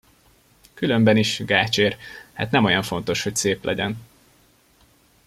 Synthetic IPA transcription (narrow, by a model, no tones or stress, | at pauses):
kylømbɛniʃɡaːt͡ʃeːrha̰ːt̪nɛmo̞jɒɱfo̞n̪t̪o̞ʃho̞cseːplʔɛ̰ɟɛn